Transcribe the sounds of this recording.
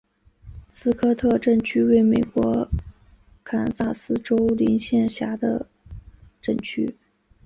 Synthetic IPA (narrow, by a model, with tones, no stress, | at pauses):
sɹ̩˥kʰɤ˥˧t̪ʰɤ˥˧ʈ͡ʂə˥˩nt͡ɕʰy˥we˥˩ɪme˨˩ɪkwɔ˧˥ | kʰa˨˩nsa˥˩sɹ̩˥ʈ͡ʂo˥ʊli˧˥nɕjɛ˥˩nɕja˧˥d̪ə̰˧ | ʈ͡ʂə˥˩nt͡ɕʰy̰˥